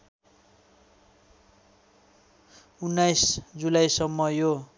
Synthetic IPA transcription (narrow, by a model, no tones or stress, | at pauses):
unːajsd͡zulajsʌmːʌjo